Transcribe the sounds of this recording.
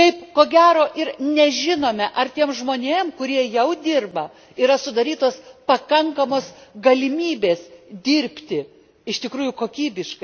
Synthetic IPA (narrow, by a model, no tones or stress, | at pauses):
kɐɪpkoːɡʲæːɾoːʔɪɾnʲɛʒʲɪnoːmʲɛʔɐrt̪ʲiɛmʒmoːnʲeːmkʊɾʲiɛjɛʊd̪ʲɪrbɐ | iːɾɐsʊd̪ɐɾʲiːt̪oːspɐkɐŋkɐmoːsɡɐlʲɪmʲiːbʲeːsd̪ʲiɾʲpʲt̪ʲɪ | ɪʃt̪ʲɪkɾuːjʊkoːkʲiːbʲɪʃkɐɪ